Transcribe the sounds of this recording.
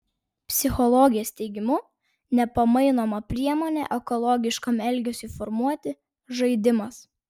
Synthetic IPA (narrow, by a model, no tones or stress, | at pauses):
pʲsʲɪxɔlˠɔːɡʲɪjɛːsʲt̪ʲɛɪɡʲɪmʊ | nʲɛpɐmɐɪnoːmɐpʲɾʲiɛmoːnʲɛ̰ʔɛkɔlˠɔːɡʲɪʃkɐmɛlʲɡʲɛsʲʊiːfɔɾmuɔt̪ʲɪ | ʒɐɪd̪ʲɪmɐs